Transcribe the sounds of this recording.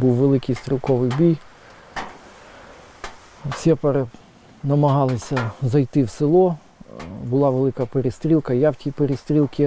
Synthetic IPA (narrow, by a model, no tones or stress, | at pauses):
buwʋelˠɪkɪjst̪ɾʲilˠkɔʋɪjbʲij | sʲipɾe | nɐmɐɦɑlˠɪsʲɐzɐjt̪ɪwselˠɔ | bʊlˠɑʋelˠɪkɐpeɾʲɪst̪ɾʲilˠkɐjawtʲipeɾest̪ɾʲilˠkʰʲɪ